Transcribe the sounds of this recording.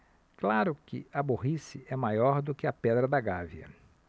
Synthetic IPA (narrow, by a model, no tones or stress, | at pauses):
klaɾʊkɪ̰ɐboɦisɪɛmajɔɾd̪ʊkɪɐpɛd̪ɾɐd̪ɐɡaviɐ̰